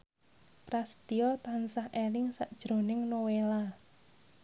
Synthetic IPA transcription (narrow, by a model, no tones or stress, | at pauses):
pɾast̪iɔt̪ansahelɪŋsaʔd̥ʒ̥ɾo̤nɪŋnowela